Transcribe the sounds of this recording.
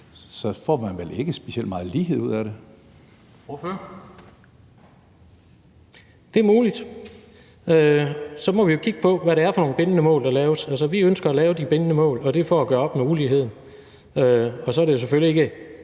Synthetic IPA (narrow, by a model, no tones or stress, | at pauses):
sɒ̽fɒ̰ːmænʋele̝ɡ̥əsb̥eiel̰d̥mɑ̈ːð̩ˠlḭːɦḛuð̞̰ˠæɾe | fɐ | d̥e̝ɐmuːlid̥ | øsɒ̽mɒ̽ʋijo̝kʰiɡ̥əpʰɒ̽ʋæɾe̝æɐfɒno̝ːŋnəb̥e̝nənəmɔ̰̽ːld̥ɑ̈lɛːʊsælsɒʋiønsɡ̥ɐælɛːʊd̥ib̥e̝nənəmɔ̰̽ːlɒ̽d̥e̝fɒ̰æɡ̥ɶɐɒ̽b̥meuliːɦe̝ð̰ˠn̩ | øɒ̽sɒ̽æɐɾe̝jo̝s̬eføljie̝ɡ̥ə